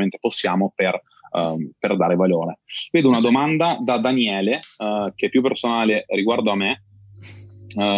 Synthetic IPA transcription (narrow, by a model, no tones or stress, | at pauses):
ment̪e̥posːjaːmoper | perd̪aːɾevaloːɾeveːd̪ounad̪omand̪ad̪ad̪anjɛːlek̟epːjup̬ːersonaːleɾiɡward̪oamːe